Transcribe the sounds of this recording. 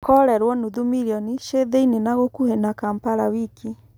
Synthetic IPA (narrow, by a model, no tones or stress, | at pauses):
kɔɾɛɾwɔnuðumiɾjɔniʃeðeinenaɣokuhenakampaɾawikʰi